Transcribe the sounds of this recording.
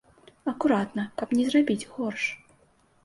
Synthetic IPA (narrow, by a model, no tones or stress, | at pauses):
ɐkuɾat̪nɐkɐpnʲɛzrabʲid͡zʲɣɔrʂ